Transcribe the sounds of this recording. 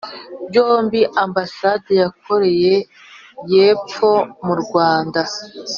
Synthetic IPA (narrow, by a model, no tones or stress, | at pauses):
joːmbiʔambasadejak̚o̞ɾe̞je̞ | je̞ːp͡fo̞muɾɡwaːnda